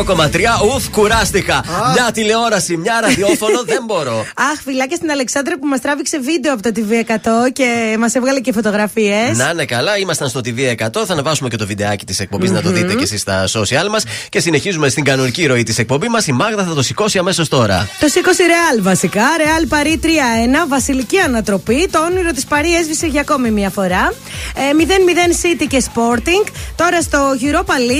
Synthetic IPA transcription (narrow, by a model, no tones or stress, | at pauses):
oko̞mɐt̪ɾiɐuθkuɾɐst̪ikɐmɲɐt̪ile̞o̞ɾɐsimɲɐɾɐðiofo̞noððe̞mbo̞ɾo̞ɐxfilɐcest̪inɐle̞ksɐnd̪ɾipumɐst̪ɾɐvikse̞vid̪e̞oɐpot̪ot̪̬iviekɐt̪o̞ce̞mɐsevɣɐlecefo̞t̪o̞ɣɾɐfiesnɐnekɐlɐimɐst̪ɐnst̪o̞t̪iviekɐt̪o̞θɐnɐvɐsume̞ce̞t̪o̞vid̪e̞ɐcit̪isek̚po̞mbiznɐt̪oðit̪ece̞sist̪ɐso̞siɐlmɐsce̞sine̞çizume̞st̪iŋɡɐnoniciɾo̞it̪ise̞k̚po̞mbimɐsimɐɣt̪ɐθɐt̪o̞siko̞siɐme̞so̞st̪o̞ɾɐ̰t̪o̞siko̞siɾe̞ɐlvɐsikɐɾe̞ɐlpɐɾit̪ɾiɐenɐvɐsiliciɐnɐt̪ɾo̞pit̪ooniɾo̞t̪ispɐɾiezvise̞ʝɐːko̞mimɲɐfo̞ɾɐ | miðe̞nmiðe̞nsit̪ice̞spo̞ɾt̪iŋɡt̪o̞ɾɐst̪o̞ʝiɾo̞pɐli